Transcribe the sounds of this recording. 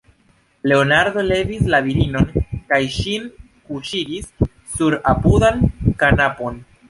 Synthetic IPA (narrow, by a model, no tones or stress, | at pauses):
le̞onaɾd̪o̞le̞vislaviɾino̞nkajʃin | kuʃiɡisː | uɾa̰pudankanapo̞n